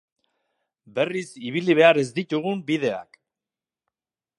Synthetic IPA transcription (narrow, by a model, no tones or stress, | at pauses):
be̞risiβ̞iliβ̞e̞aɾe̞zd̪it̪uɣumbiðe̞a̰k